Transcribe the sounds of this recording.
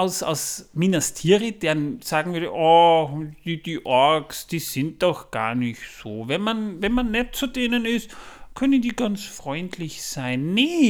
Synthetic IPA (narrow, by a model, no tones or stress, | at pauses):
ʔaʊsa̰ʊsminastʰiːʁid̥eːɐnsaːɡŋ̩vyɐɾə̰ʔɔxd̥id̥iːʔɔɐksd̥iːsɪnt̚d̥ɔxɡ̥a̰ɐnɪçtsoːvɛnmanvɛnmanːɛt̚t͡sudeːnənɪstkʰœnənd̥iːɡ̥ansfʁ̥ɔʏntʰlɪçsaɪnːɛ